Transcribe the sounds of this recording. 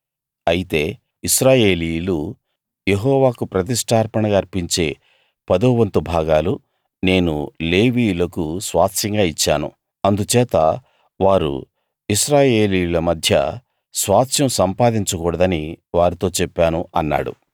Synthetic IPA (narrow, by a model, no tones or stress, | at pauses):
ɐjit̪e̞ː | isɾaːje̞ːlijulu | jeɦɔːʋaːkupɾɐt̪̬isʈʰaːɾpɐɳɐɡaːɾpiɲt͡ʃe̞ː | pɐd̪oːʋɐnt̪ubʱaːɡaːlu | ne̞ːnṵle̞ːʋiːjlɐkusʋaːt̪ʃɐŋɡaːit͡ʃːaːnṵ | ɐnd̪ut͡ʃɛːt̪ɐ | ʋaːɾṵ | isɾaːje̞ːlijulɐmɐd̪ʱjɐ̰ | sʋaːt̪ʃɐmsɐmpaːd̪iɲt͡ʃɐkɔːɽɐd̪ɐniʋaːɾit̪o̞ːt͡ʃɛpːaːnuɐnːa̰ːɽṵ